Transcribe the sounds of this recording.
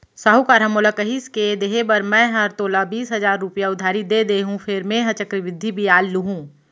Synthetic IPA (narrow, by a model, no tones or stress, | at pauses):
saɦukaːɾɦɐmoːlakəɦisked̪eɦebɐɾmɛ̃ɦɐɾt̪oːlabiːsɦɐzaːɾːʊpjaʊd̪ʱːaːɾid̪eːd̪eːɦũfʰɪɾmẽɦɐt͡ʃəkɾɪʋɪd̪ʱːibʱiaːlːuɦũː